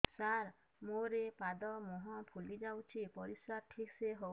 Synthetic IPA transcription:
saɾ | moɾepad̪ɔmuɦɔ̃pʰulid͡ʒawt͡ʃʰipɔɾiswaʈʰikseɦow

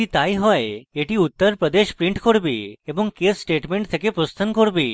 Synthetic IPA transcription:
it̪ajɦɔeeʈiut̪ːəɾpɾəd̪eʃpɾiɳʈkoɾbieboŋkesːʈeʈmeɳʈt̪ʰekepɾost̪ʰənkoɾbi

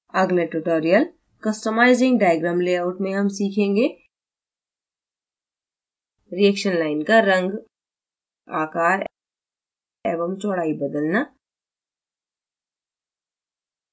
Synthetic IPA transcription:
ɐɡneʈuʈoːɾijəl | kɐsʈəmaːɪzɪ̃ŋɡɖaːjəɡɾãːmleːaːʊʈmẽɦɐmsiːkʰẽːŋɡeː | ɾiɛːkʃənlaːɪnkaɾɐ̃ŋɡ | a̰ːkaːɾ | ɛːbəmt͡ʃɔːɽaːibɐd̪əlna

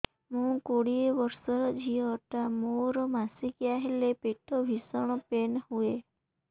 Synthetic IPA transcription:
mũkoɽiebɔɾsɔɾɔd͡ʒʱiɔʈamoɾɔmasikjaɦelepeʈʰɔbʱisɔɽ̃ɔpenhue

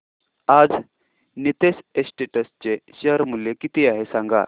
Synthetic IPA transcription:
ad͡z | nit̪esesʈeʈəst͡ɕeɕəɦəɾmuljekit̪iaɦesãŋɡa̰

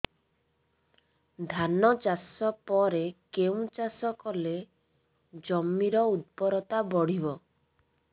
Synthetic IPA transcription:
d̪ʱanɔt͡ʃasɔpɔɾekeũt͡ʃasɔkɔle | d͡ʒɔmːiɾɔut̪̚pɔɾɔt̪abɔɽ̤ibɔ

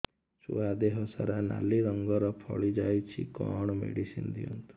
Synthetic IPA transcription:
sṵad̪eɦɔsaɾana̰liɾɔŋɡɔɾɔpʰɔɭid͡ʒajt͡ʃʰḭkɔɳ̃ɔmḛɽisind̪iunt̪u̥

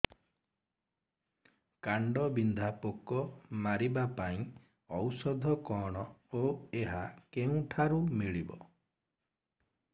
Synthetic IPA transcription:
kaɳɖɔbind̪ʱapokɔmaɾibapaĩ | ɔwsɔd̪ʱɔkɔɽ̃ɔoeɦakeũʈʰaɾumiɭibɔ̰

